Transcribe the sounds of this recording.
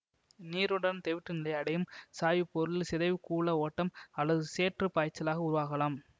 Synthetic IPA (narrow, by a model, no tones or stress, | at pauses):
niːɾɯɽɐnt̪ɛʋɪʈrɯnɪlɐɪɐɽɐjɯmsaːjɯpːɔɾɯlsɪðɐɪʋɯkuːɭɐoːʈːɐmɐlːɐðɯseːʈrɯpaːjt͡ʃːɐlaːɣɐʊɾʊʋaːɣɐlaːm